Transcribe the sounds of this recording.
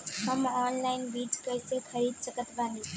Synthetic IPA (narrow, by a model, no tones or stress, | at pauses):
ɦəmɔnlaɪnbiʈkəjsekʰəɾiːd̪̚səkət̪bani